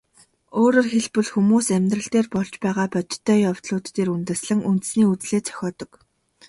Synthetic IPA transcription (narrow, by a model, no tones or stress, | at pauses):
oːɾoːrxeɮpɵ̆ɮxumuːsæmʲt̪rə̆ɬt̪eːrpɔɮt͡ɕpæːʁaːpɔt͡ɕ̪t̪ʰːœːjaw̥t̪ɮʊːt̪ːeːɾunt̪ɘ̆sɮɘ̆ŋunt̪ɘ̆sniːut͡sɮeːt͡sʰœ̥xʲɔːt̪ɞ̆k